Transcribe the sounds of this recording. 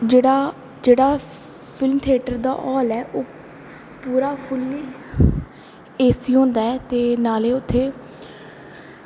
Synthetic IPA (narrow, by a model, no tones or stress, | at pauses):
d͡ʒeːɽaː | d͡ʒeːɽaː | pʰɪlmt̪ʰɪeːʈəɾd̪a̰ːʔɔːlɛːʔoː | puːɾaːpʰɪlmi | eːsiːɦõːnd̪aːɛːt̪eːnaːleːʊt̪ʰːeː